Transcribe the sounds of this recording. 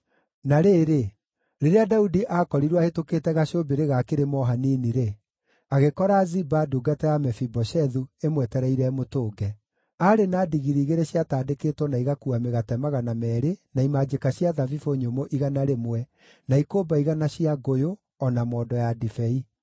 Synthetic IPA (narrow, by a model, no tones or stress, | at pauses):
naɾeːɾe | ɾeɾeadaudiʔakɔɾiɾwahetokeːtɛɣaɕobeɾeɣakeɾemɔɦaniniɾe | aɣekɔɾazibaduːɡatɛjamɛfibɔɕɛðuemwɛtɛɾɛiɾɛmotoːɡɛ | aɾenaːdiɣiɾiːɣeɾeɕiataːdekeːtwɔnaiɣakuameɣatɛmaɣanamɛːɾenaimad͡ʒekaɕiaðavifoɲomoʔiɣanaɾemwɛ | naikobaiɣanaɕiaɡojo | ɔnamɔdɔjadifɛi